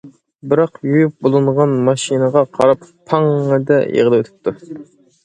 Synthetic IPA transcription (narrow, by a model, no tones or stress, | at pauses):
bɪɾɑqjujyp̚bolˠɨɴʁɑnmɑʃinəʁɑqʰɑɾɑpːʰɑŋːəd̪ɛḛʁlˠɨwøt̪ʰɪ̥p̚t̪ʰu